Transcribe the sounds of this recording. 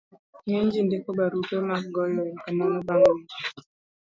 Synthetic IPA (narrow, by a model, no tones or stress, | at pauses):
jeɲd͡ʒindekobaɾutomaɡɔjɔkamaŋabaŋe